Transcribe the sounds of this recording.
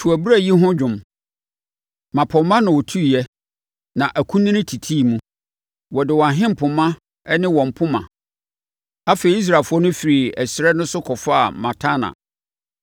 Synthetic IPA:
tʰu˨æ˨bi˦ɾa˦˨ji˦ɦʊ̃˦d͡ʑᶣʊ̃˨m | mã˨pʰɔ˨mːã˦nã˨wɔ˨tʰu˦˨jɛ˦ | nã˨ʔæ˨kʰũ˦nĩ˦nɪ̃˦tʰi˨tʰi˦˨mũ˦ | wɔ˨dɪ˨wɔ̃˨a˨ɦɪ̃˦m̩˨pʰʊ̃˨mã˦ | ɛ˦nɪ̃˦wɔ̃˨m̩˨pʰʊ̃˦mã̰˨ | a˦fe˨i˨˦i˦s̬ɾa˨fʊ˦ɔ˦nʊ̃˦fi˨ɾi˨ɛ˨sɾɛ˦nʊ̃˦sʊ˦kʰɔ˨fa˦a˨mã˨tʰa˦nã̰˨

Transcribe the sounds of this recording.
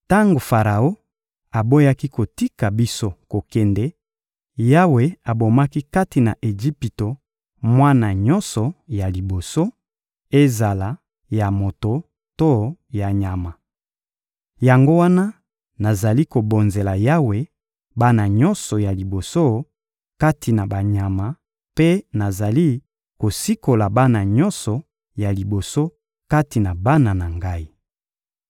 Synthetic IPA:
ta˦ŋɡo˨fa˨ʁa˨o˦ | a˨bo˦ja˦ki˦ko˨ti˦ka˨bi˦so˦ko˨kɛ˨ndɛ˦ | ja˦we˨a˨bo˨ma˦ki˦ka˦ti˨na̰˨ʔe˨ʒi˦pi˨to˨ | mwa˦na˨ɲɔ˦nsɔ˨ja˨li˨bo˨so˦ | e˦za˨la˨˦ | ja˨mo˨to˨ | to˦ja˨ɲa˨ma˨ | ja˨ŋɡo˦wa˦na˦ | na˨za˨li˦ko˨bo˨nze˨la˨ja˦we˨ | ba˦na˨ɲɔ̃˦nsɔ˨ja˨li˨bo˨so˦ | ka˦tʰi˨na˨ba˨ɲa˨ma˨ | pe˦na˨za˨li˦ | ko˨si˦ko˨la˨ba˦na˨ɲɔ˦nsɔ˨ | ja˨li˨bo˨so˦ | ka˦ti˨na˨ba˦na˨na˨ŋɡa˦i˦

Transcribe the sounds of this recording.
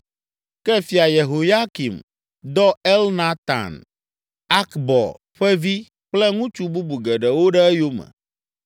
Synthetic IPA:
kɛ˦fi˨a˨je˨ɦo˨ja˦ki˨m | d̪ɔ˦ɛ˦lna˦t̪ã̰˨n | a˦kbɔ̰˨ | ɸɛ˦vi˦ | k͡plɛ˦ŋũ˦t͡ʃu˦bu˦bu˨ɡɛ˨ɖɛ˨wo˦ɖɛ˦ɛ˦jo˦mɛ̰˨

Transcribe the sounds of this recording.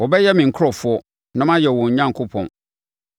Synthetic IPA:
wɔ˨bɛ˦jɛ˦mɪ̃˨ŋ̩˨kʰɔ˨fʊ˦ɔ˦ | nã˦mã˦jɛ˨wɔ̃˨ɲ̩˨ɲã˦ŋkʰʊ˦pʰɔ̰̃˨n

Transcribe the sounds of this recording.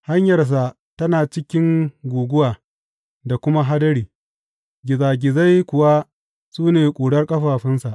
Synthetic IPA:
ha˦ɲjɐ˨rs̬a˨ʔ | tɐ˦naː˨t͡ʃɪ˦kʲɪ˦ŋɡʷuː˨ɡʷʊ˦waː˨ | da˨kʷʊ˦ma˦ɦa˦dɐ˦ɽiː˨ | ɡʲɪ˨zaː˨ɡʲɪ˨za˦jkʷʊ˨wa˦ | suː˦neː˨kʷʼuː˨ɽɐ˦rkʼɐ˦ɸaː˨ɸɪ˦nsa˨ʔ

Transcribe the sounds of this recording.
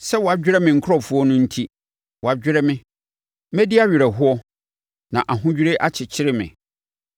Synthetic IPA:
sɛ˦wɔ˨a˨d͡ʑᶣɪ˦ɾɛ˦mɪ̃˨ŋ̩˨kʰʊ˦ɔ˦˨fʊ˨˦ɔ˦nʊ̃˦n̩˦tʰi˦ | wɔ˨a˨d͡ʑᶣɪ˦ɾɛ˦mɪ̃˦ | mɛ̃˦di˦a˦ɥɪ˨ɾɛ˨ɦʊ˦ɔ˦ | nã˨ʔa˨ɦʊ̃˦d͡ʑᶣɾe˦ʔa˦t͡ɕʰɪ˨t͡ɕʰɪ˦ɾɪ˦mɪ̰̃˨

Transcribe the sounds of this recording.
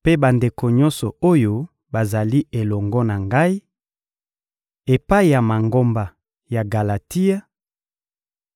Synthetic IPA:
pe˦ba˨nde˨ko˨ɲɔ˦nsɔ˨o˦jo˦ | ba˨za˨li˦e˨lɔ˨ŋɡɔ˦na˨ŋɡa˦i˦ | e˨pa˦i˨ja˨ma˨ŋɡo˦mba˨ | ja˨ɡa˨la˨ti˦a˦

